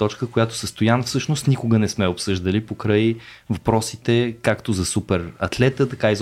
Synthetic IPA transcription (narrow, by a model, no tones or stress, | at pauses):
t̪ɔt͡ʃkəkojat̪o̥səst̪ʊjanəfsɤʃnost̪nikʊɡənɛsmɛopsɤʒd̪əlipokɾɤj | vɐpɾɔsit̪ɛkakt̪ozɐsupɛɾɐt̪lɛt̪ət̪ɐkaiz